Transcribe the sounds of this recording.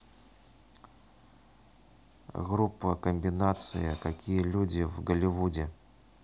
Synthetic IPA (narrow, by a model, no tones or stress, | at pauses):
ɣɾupːəkəmʲbʲɪnat̪sɨ̰jəkakʲijəlʲudʲɪvɡəlʲɪvudʲɪ